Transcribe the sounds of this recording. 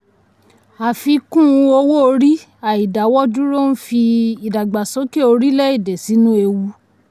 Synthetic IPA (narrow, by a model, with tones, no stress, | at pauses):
a˨fi˧kũ˦˨˧o˧wo˦o˧ɾi˦ | a˨i˨da˨˦wɔ˦d͡ʒu˦ɾo˦n̩˦fi˧i˨da˨ɡ͡ba˨so˨˦ke˦˨o˧ɾi˦lɛ˦i˦˨de˨si˨˦nũ˦e˧wu˧˦